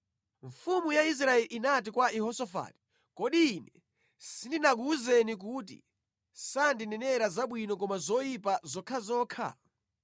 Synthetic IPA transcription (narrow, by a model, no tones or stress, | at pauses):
ɱfumujais̬ɾaɛlʔinat̬ikwaʔɛhɔsɔfa̰ːti̥ | kɔɗiːnɛ | sindinak̬uzɛnik̬uːt̬ḭ | sandinɛnɛɾazaɓwinɔk̬ɔmazɔipazɔkʰazɔːkʰa̰